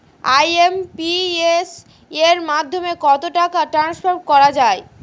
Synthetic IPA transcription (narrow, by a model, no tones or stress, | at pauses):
ajempies | eɾmad̪ʱːomekɔt̪oʈakaʈɾansfaɾʈ̚kɔɾad͡ʑae